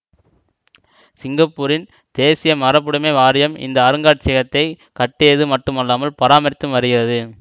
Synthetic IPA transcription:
sɪŋɡɐpːuːɾɪn | d̪̥eːsɪjɐmɐɾɐp̬ːɯɽɯmeːʋaːɾɪjɐmɪ̰nd̪ɐːɾɯŋɡaːʈ̚t͡ʃːɪɣɐt̪ːɐɪ | kɐʈːeːðɯmɐʈːɯmɐlːaːmɐlpɐɾaːmɐɾɪt̪ːɯmʋɐɾɯɣɪrɐðɯ

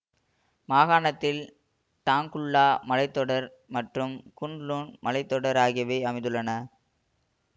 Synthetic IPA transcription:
maːɣaːɳɐt̪ːɪl | t̪aːŋkʊɭːaːmɐlɐɪt̪ːɔɽɐɾ | mɐʈrɯmkʊɳluːnmɐlɐɪt̪ːɔɽɐɾaːɣɪjɐʋɐɪɐmɐɪðɯɭːɐnɐ

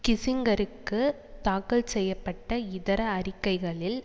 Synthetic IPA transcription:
kɪsɪŋɡɐɾɯkːɯ | t̪aːkɐɭsɛjːɐpːɐʈːɐɪðɐɾɐːrɪkːɐɪɣɐɭɪl

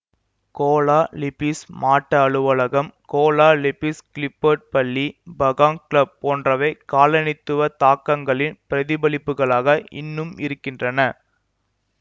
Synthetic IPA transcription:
koːlaːlɪpismaːʈːɐːɭɯʋɐɭɐɣɐmkoːlaːlɪpɪskɪlɪpːɐʈ̚pɐɭːibɐɣãːŋklɐb̚poːndrɐʋɐɪkaːlɐnɪt̪ːɯʋɐt̪aːkːɐŋɡɐɭɪnpɪɾɐðɪbɐlɪpːɯɣɐɭaːɣɐʔɪ̰nːɯmɪ̰ɾɯkːɪndrɐnɐ

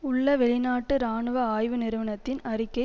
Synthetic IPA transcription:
ʊɭːɐʋɛɭɪnaːʈːɯɾaːɳɯʋɐaːjʋɯnɪɾɯʋɐnɐt̪ːɪnɐrɪkːɐɪ

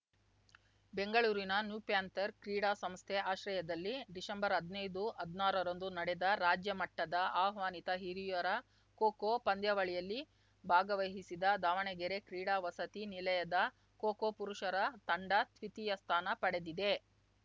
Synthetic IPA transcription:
beŋɡɐɭuːɾinɐnjuːpjaːnt̪ɐɾkɾiːɽaːsɐmst̪ʰɛʔaːʃɾɐjɐd̪ɐlːiɖisɐmbɐɾɦɐd̪nɐjd̪uɐd̪naːɾɐɾond̪unɐɽed̪ɐɾaːd͡ʒjɐmɐʈːɐd̪ɐaːɦʋaːnit̪ɐɦiɾijɐɾɐ | koːkopɐnd̪ʱjɐʋɐɭijɐlːi | bʱaːɡɐʋɐɦisid̪ɐd̪aːʋɐɳɛɡɛɾekɾiːɽaːʋɐsɐt̪inilɐjɐd̪ɐ | koːkoːpuɾuʂɐɾɐt̪ɐɳɖɐt̪ʰʋit̪ijɐst̪ʰaːnɐpɐɽe̞d̪id̪e̞

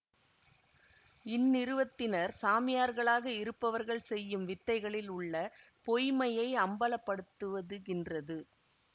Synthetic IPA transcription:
ɪnːɪɾɯʋɐt̪ːɪnɐɾsaːmɪjaːɾɣɐɭaːɣɐɪɾɯpːɐʋɐɾɣɐɭsɛjːɯmʋɪt̪ːɐɪɣɐɭɪlʊɭːɐpɔjmɐjɐɪɐmbɐlɐpːɐɽɯt̪ːɯʋɐðɯɪndrɐðɯ

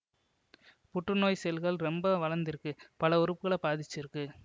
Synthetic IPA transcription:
pʊʈrɯnoːjsɛlɣɐɭɾɛmbɐʋɐlɐnd̪ɪɾɯkːɯpɐlɐʊɾɯpːɯɣɐɭɐpaːðɪt͡ʃːɪɾɯkːɯ

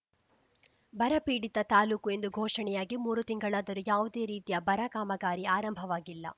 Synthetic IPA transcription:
bɐɾɐpiːɽit̪ɐt̪aːluːkue̞nd̪uɡʱoːʂɐɳɛjaːɡimuːɾut̪iŋɡɐɭaːd̪ɐɾujaːʋud̪e̞ːɾiːt̪ijɐbɐɾɐkaːmɐɡaːɾiaːɾɐmbʱɐʋaːɡilːɐ̰

